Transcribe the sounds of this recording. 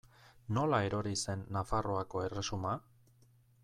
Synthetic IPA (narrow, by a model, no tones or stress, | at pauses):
no̞laeɾo̞ɾise̞nːafaro̞ako̞e̞re̞suma